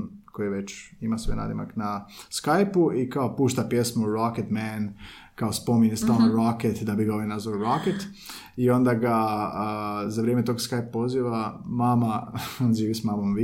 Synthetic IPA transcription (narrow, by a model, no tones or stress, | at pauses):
koieʋet͡ɕimasʋena̰d̪ima̰knaskajpuikao̞puːʃt̪apje̞smoɾoket̪mɛn | kaospo̞miɲest̪alnoɾoket̪d̪abiɡaoʋjenazaɾoket̪ | io̞nd̪aɡa | zaʋɾjemet̪o̞ːɡskajpapo̞ziʋamaːmaonʒiːʋismaːmomʋ